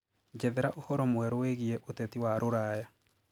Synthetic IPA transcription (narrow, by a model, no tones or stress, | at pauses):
d͡ʒɛðɛɾaʔohɔɾɔmwɛɾoweɣiɛʔotɛtiwaɾoɾaja